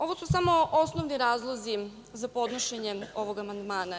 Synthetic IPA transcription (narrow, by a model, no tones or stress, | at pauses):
o̞ʋosusamo̞ʔo̞snoʋniɾaːzlˠozi | zapo̞d̪noʃeɲeo̞ʋoɡamand̪maːna